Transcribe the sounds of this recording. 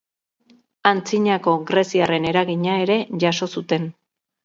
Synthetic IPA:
ant͡siɲako̞ɣɾe̞siare̞neɾaɣiɲae̞ɾe̞ʝaso̞sut̪e̞n

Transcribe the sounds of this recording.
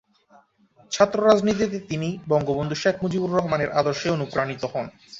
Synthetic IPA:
t͡ɕʰat̪ːɾoɾad͡ʑnit̪̬it̪̬et̪inibɔŋɡobond̪ʱuʃekʰmod͡ʑibuɾːɔɦmaneɾʔad̪oɾʃeonupɾanit̪ohɔn

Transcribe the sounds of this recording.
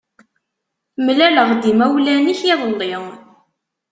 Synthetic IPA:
mlæləʁd̪imæwlæniçiðˤəlːiʁ

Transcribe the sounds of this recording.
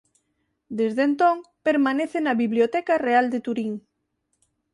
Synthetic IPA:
d̪ezðent̪õŋpeɾmaneθenaβiβljot̪ɛkareald̪et̪uɾiŋ

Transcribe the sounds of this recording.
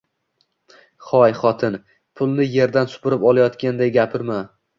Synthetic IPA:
χɒjχɒt̪ʰɪn | pʰʊlˠnɪje̞ɾd̪ansʊ̥pʊɾɪpɒlˠajɒt̪kʲand̪ajɡʲapʰɪɾma

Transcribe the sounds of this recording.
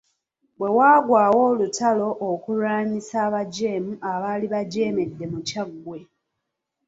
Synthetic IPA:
bwe̞waːɡwaːwo̞ːlutalo̞ʔːkuɾaːmisaːβaɟe̞ːmuʔaβaːliβaɟe̞ːme̞dːe̞mucaɡːwe̞

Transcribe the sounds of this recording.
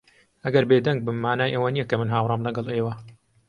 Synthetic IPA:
ʔɐɡɐɾbeːd̪ɐŋɡ̚bɨmːaːnaːjʔɐwɐnijɛkɐmɨnɦaːwrˤɨmlɐɡɐlˠʔeːwɐ

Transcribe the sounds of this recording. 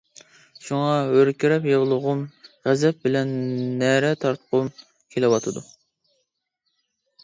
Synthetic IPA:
ʃuŋɑøɾkʲiɾɛpjeʁlˠʊʁʊmʁæzɛp̚bɪlɛnːɛɾɛt̪ʰɑɾt̪qʊm | kʲʰelɪwɑt̪ʰɨd̪u

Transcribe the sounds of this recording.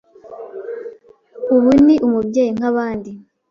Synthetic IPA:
uβuniʔumubɟeːjiŋ̥aβaːndi

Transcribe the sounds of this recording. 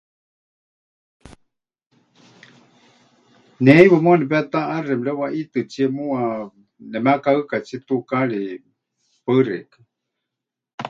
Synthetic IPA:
nɛiwamũnɛpɛt̪aarɛmɺɛwaʔit̪ɨt͡siɛmua | nɛmakaɨkat͡sʰit̪ukaɺi | pəɨɾɛ̰kḁ

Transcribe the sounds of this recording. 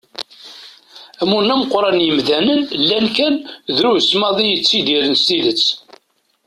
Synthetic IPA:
æmunːæməqːɾˤɑnjəmðænənlːænkænðɾusmɑðˤijət͡sːid̪iɾənst̪iðət͡sː

